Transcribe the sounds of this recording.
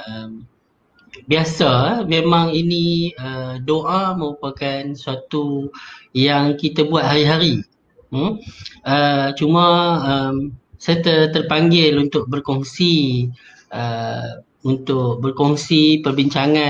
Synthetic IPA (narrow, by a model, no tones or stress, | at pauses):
əm | biasamẽmãŋiniədoʔamə̃ɾupakansuat̪u | jaŋkit̪abuat̪̚haɾiɦaɾi | ət͡ʃumãəmsat̪ət̪ərpaŋɡɪlunt̪ʊk̚bərkɔŋsi | ʔə | unt̪ʊk̚bərkɔŋsipərbiɲt͡ʃaŋã